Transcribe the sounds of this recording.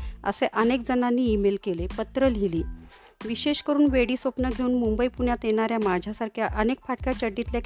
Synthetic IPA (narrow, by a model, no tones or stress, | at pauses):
ə̰seʔənek̚d͡zənanːiːmelkelepət̪ɾəlɦiliː | ʋiɕeɕkəɾuːnʋeɽiːsʋopnəɡʱeuːnmumbəipuɳjat̪eɽ̃aɾjamad͡ʑʱjasaɾkʰjaʔənek̚paʈ̚kjat͡ɕəɽːit̪lja